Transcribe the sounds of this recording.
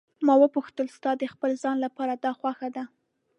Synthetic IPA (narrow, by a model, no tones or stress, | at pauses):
mɑwəpuxt̪əlst̪ɑd̪əxpəlzɑnlapɑɾad̪ɑxwaxad̪a